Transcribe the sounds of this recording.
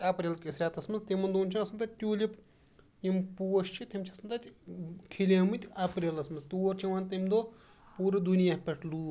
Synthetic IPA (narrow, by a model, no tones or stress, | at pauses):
ɐpɾʲeːlkʲisɾʲaːt̪ɐsmɐnzt̪imɐnd̪uːnʲt͡ʃʰinɐsɨnt̪ɐt͡ʃʲt̪ʲuːlʲip | impuːʃt͡ʃʰit̪ʲimt͡ʃʰɐsɨnt̪ɐt̪ʲkʰilʲemɨt̪ʲɐpɾʲeːlɐsmɐnzt̪uːɾt͡ʃʰiʋaːnʲt̪imd̪oː | puːɾɐd̪unijaːpʲeʈʰluː